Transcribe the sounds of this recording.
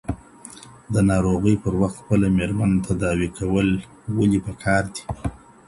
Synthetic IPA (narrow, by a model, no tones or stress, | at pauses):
d̪ənɑɾoɣəjpəɾwaxt̪xpəlameɾmanat̪ad̪ɑwikʰawəl | walipəkʰɑɾd̪i̥